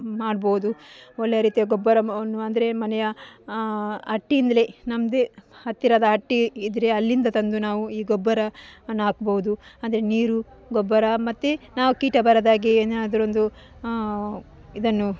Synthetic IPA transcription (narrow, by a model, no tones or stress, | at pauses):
maːɖbowud̪uɔlːejɐɾiːt̪ijɐɡɔbːɐɾɐnːuɐnd̪ɐɾe̞mɐnɛjɐ | ɦɐʈːiːnd̪ɐlenɐmd̪ehɐt̪ːiɾaːd̪ɐɦɐʈːiːd̪ɾeɐlːind̪ɐt̪ɐnd̪unaːʋuiːɡɔbːɐɾɐnaːkbowud̪uɐnd̪ɐɾeniːɾu | ɡɔbːɐɾɐmɐt̪ːenaːʋukiːʈɐbɐɾɐd̪aːɡeeːnnaːd̪ɐɾond̪u | id̪ɐnːu